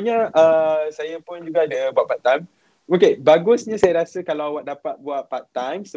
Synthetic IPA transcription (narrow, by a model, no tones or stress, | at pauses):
ɲaʔəsajapʊnd͡ʒuɡaːdabuat̪̚pat̪ːajm | okebaɡʊsɲãsajaɾasəkalawawaʔ̚dapat̪̚buat̪̚paʔ̚t̪ajmsə